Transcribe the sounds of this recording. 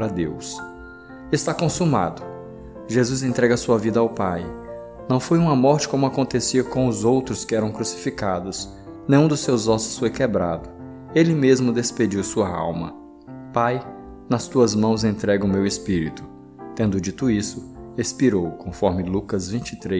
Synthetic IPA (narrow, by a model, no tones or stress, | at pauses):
ɾɐd̪ḛws | est̪akõsuma̰d̪ʊ | ʒezuzẽnt̪ɾɛɡɐsuɐvid̪ɐawpaj | nɐ̃w̃fojũmɐmɔɾt͡ʃɪ̥kõmʊakõnt̪esiɐkõʊzowt̪ɾʊskɪɛɾɐ̃w̃kɾusi̥fikad̪ʊs | nẽj̃ũd̪ʊsːewzɔsʊ̥sfojkebɾad̪ʊ | elɪmezmʊd̪esped͡ʒiwsuɐa̰wmɐ̰ | paj | nɐst̪uɐzmɐ̃w̃zẽnt̪ɾɛɡʊmewespiɾit̪ʊ̥ | t̪ẽnd̪ʊd͡ʒit̪ʊisʊespiɾowkõfɔɾmɪlukɐzvĩt͡ʃɪt̪ɾe